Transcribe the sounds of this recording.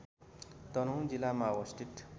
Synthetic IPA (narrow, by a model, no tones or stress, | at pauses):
t̪ʌnũd͡zilamawʌsʈ̪ʰit̪